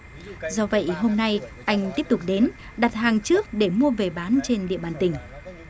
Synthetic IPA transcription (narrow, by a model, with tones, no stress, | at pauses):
zɔ˧və̰˧˨jɦo˧mna˧jʔa˧jŋ̟t̪i˦˥əp̚t̪ʊ˨˩k͡p̚ɗe˨˦n | ɗa˨˩t̚haː˨˩ŋt͡ɕɨ˦˥ək̚ɗe˧˩mu˧əve˨˩ɓaː˨˦nt͡ɕe˧nɗḭ˧˨əɓaː˧˩nt̪ï˨˩ŋ̟